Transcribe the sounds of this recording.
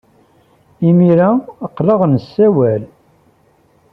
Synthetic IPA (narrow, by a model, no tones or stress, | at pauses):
imiɾaqːləʁnəsːæwæl